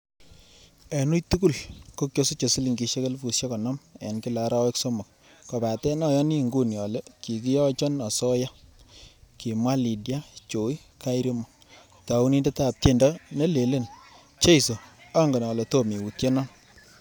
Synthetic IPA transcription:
e˨nu˦jtu˦ku˦lko˦kjo˦so˦t͡ʃo˨si˦li˨ŋɡi˨ʃe˦ke˦lfu˨sje˦kɔ˨nɔ˦mḛ˨nki˦la˨ɾa˦wɛ˦kso˦mo˨k | kɔ˨ba˨tɛ˦nɔ˦jɔ˦ni˦˨ŋɡu˦njɔ˨le˦ki˨ki˦jɔ˦t͡ʃɔ˦nɔ˨sɔ˦ja˦ | ki˨mwa˦li˨dja˦t͡ʃo˨i˦ | ka˦i˦ɾi˦mɔ˨ | ta˨u˦ni˦nde˦ta˨p̚te˦˨ndɔ˦ne˦le˨le˦n | t͡ʃe˦i˨so˨a˦ŋɡe˨nɔ˨le˨to˦mi˨wu˨tje˦nɔ˦n

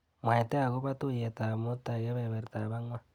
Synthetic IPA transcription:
mwa˨e˨te˦a˨ɣu˦βa˦tu˦je˨ta˨mo˦ta˨ɣe˦βe˨βe˨ɾta˨βa˦ŋwa˦

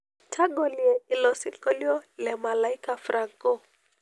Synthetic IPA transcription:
tʰa˦ɡo˨li˨ɛ˨i˨lɔ˨si˨kɔ˦li˦ɔ˦lɛ˨ma˨la˨i˦ka˨fɾa˨ŋko˦˨

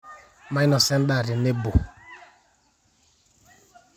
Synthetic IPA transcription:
ma˨˦jnɔ˨sɛ˦n̩˦ɗa˦˨ɾɪ˨ne˦bo˨

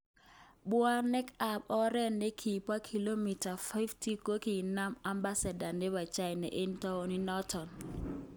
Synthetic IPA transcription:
ɓwa˦nɛ˦ka˨pɔ˦ɾɛ˦nːe˦kʰi˨pwa˦kʰi˨lo˦mi˨ta˨fa˦ɪ˦fti˦ko˦ki˨na˦ma˦mba˦sa˨da˨ne˦βa˨t͡ʃa˦jnɛ̰˨ʔe˦n˦tɔ˦ɔ˨ni˦nɔ˦tɔ˨n

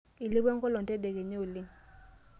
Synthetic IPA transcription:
i˨li˦bɛ˦ŋ̩˦kɔ˦lɔ˨n˨tɛ˦de˨ke˨ɲo˦˨li˦

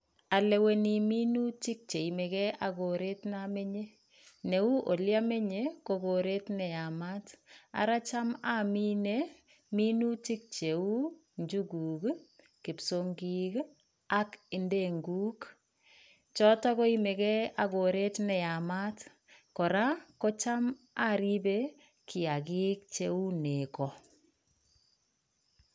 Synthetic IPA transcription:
a˨le˨we˨ni˨mi˦nu˦t͡ʃi˦k̚t͡ʃe˨i˨me˨kɛ˦a˨ɡo˨ɾe˦tna˦me˦ɲe˦ | ne˨u˦ʔo˨lja˦me˦ɲe˦ko˨ko˨ɾe˦tnɛ˨ja˨ma˦ta̰˨ɾa˦t͡ʃa˦ma˦mi˦ne˦ | mi˦nu˦t͡ʃi˦k̚t͡ʃe˨u˦ | ɲd͡ʒu˦ɡuː˨k | kɪ˨pso˦ŋɡi˦k | a˦kɪ˨nde˦˨ŋɡu˦k | t͡ʃɔ˦tɔ˦kɔ˦i˦me˨kɛ˦a˨ɡo˨ɾe˦tnɛ˨ja˨ma˦t | kɔ˨ɾa˦kɔ˦t͡ʃa˦m | a˦ɾi˦be˦ | kʰɪ˨a˨ɡi˦k̚t͡ʃe˨u˦ne˨kɔ˨

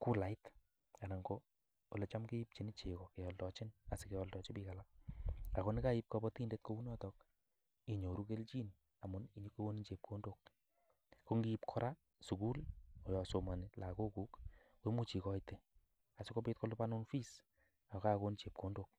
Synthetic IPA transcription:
ku˦la˨ɪt | a˨na˨ŋɡo˦ | o˨le˨t͡ʃa˦mki˦i˦p̚t͡ʃi˨nɪ˦t͡ʃe˨kɔ˨ke˨jɔ˨ldɔ˨t͡ʃɪ˦na˨sɪ˨ke˨jɔ˧ldɔ˨t͡ʃɪ˦pi˦kala | a˨ko˦nɪ˦ka˦i˦p̚kɔ˧bɔ˦ti˦nde˦t̚ko˦u˦nɔ˦tɔk | i˨ɲo˨ɾu˦ke˦lt͡ʃi˦n | a˨mʊ˦ni˨ɲ˦ke˦o˦ni˦t͡ʃe˨p̚kʰo˦ndo˨k̚ | ko˦ŋɡi˦ipkʰɔ˦ɾʔa˦ | su˨ku˦lo˨jɔ˨so˨ma˨nɪ˨la˨ko˦ku˦k | we˦mu˦t͡ʃi˨kɔ˦ite˨ | a˨sɪ˦ko˦pit̚ko˦lu˦pa˦nu˦nfi˦s | a˨ka˦ko˦nt͡ʃe˨p̚ko˨˦ndok̚

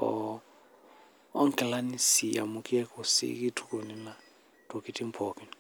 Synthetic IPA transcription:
ɔ̰ | ɔ˦ŋ̩˦kʼɛ˨la˦ni˦si˨a̰˨mu˦kʼi˦ɛ˦kʰʼɔ˨sḭkʼi˦tʰu̥˦kʼo˨ni˦la˨ | tʼo˨ki˦tʼi˦m̩˦pʰɔ˨ki˦n

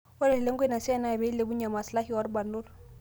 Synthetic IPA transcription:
o˦ɾe˨le˦ŋ˦ɡwe˦na˨sɛ˦na˦˨be˨˦le˨bu˦ɲa˨ma˨sla˦hi˦ɔ˦ɾba˨nʊ˦l

